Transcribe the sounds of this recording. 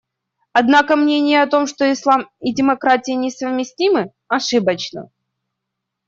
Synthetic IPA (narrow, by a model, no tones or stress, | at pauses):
ɐd̪nakəmnʲenʲɪjəɐt̪o̞mʂt̪o̞ɪslˠamɪdʲɪmɐkɾatʲɪɪnʲɪsəvmʲɪsʲtʲimɨ | ɐʂɨbət͡ɕnə̰